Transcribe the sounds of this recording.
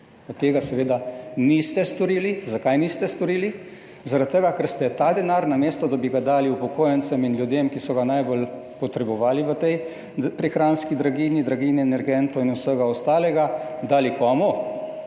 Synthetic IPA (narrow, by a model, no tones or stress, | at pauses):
ɔt̪ːeːɡasɛʋeːd̪anist̪ɛst̪ɔɾiːlizakajnist̪ɛst̪ɔɾiːli | zaɾat̪̚t̪ːəɡakəɾst̪ɛt̪ad̪ɛnaːɾnameːst̪ɔd̪abiɡad̪aːliupɔkoːjənt̪sɛminljud̪emkisɔɡanajbol | pɔt̪ɾɛbɔʋaːliʋət̪ɛj | pɾixɾaːnskid̪ɾaɡiːnid̪ɾaɡiːniɛnɛɾɡɛnt̪ɔinusəɡaɔst̪aːlɛɡad̪aːlikɔmɔ